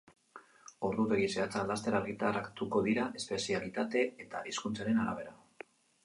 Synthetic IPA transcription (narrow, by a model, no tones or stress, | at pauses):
o̞ɾðut̪e̞ɣise̞at͡salast̪e̞ɾaɾɣit̪arakt̪uko̞ðiɾaʔe̞spe̞sialit̪at̪e̞et̪a̰ʔiskunt͡saɾe̞naɾa̰β̞e̞ɾa